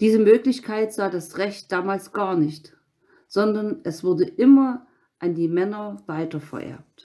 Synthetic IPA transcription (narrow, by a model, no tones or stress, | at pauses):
d̥iːzəmøːklɪçkʰaɪtz̥aːdasʁɛçt̚d̥aːmaːlsɡ̥aːɐnɪçt | z̥ɔndɐnʔɛsv̥ʊɐdəʔɪmɐ | ʔandiːmɛnɐvaɪtɐfɛ̰ɐʔɛ̰ɐp̚t